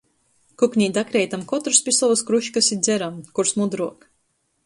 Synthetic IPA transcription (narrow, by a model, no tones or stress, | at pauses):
kuknʲiːd̪akɾɛjt̪amkɔt̪ɾspʲisɔvuskɾuʃkasid̪zʲɛɾamkuɾsmud̪ɾuɔk